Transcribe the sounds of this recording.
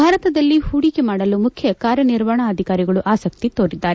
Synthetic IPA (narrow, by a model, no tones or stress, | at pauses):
bʱaːɾɐt̪ɐd̪ɐlːihuːɽikemaːɽɐlumukʰjɐkaːɾjɐniɾʋaːɳɐːd̪ʱikaːɾiɡɐɭuʔaːsɐkt̪it̪o̞ːɾid̪ːaːɾe